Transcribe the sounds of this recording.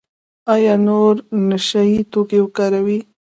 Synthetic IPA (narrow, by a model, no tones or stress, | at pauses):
ajɑnoɾnaʃajit̪okewəkɑɾawi